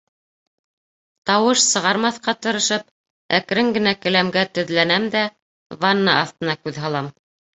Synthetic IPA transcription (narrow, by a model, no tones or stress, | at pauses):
t̪ɑwɤʃsɤ̆ʁɑɾmɑθqɑt̪ɤ̆ɾɤ̆ʃɤp̚ | æ̰kɾɘŋɡɘ̆nækɘ̆læmɡæt̪ɵ̆ðlænæmd̪æ | vɑnːɑɑθt̪ɤ̆nɑkʉðɦɑlˠɑm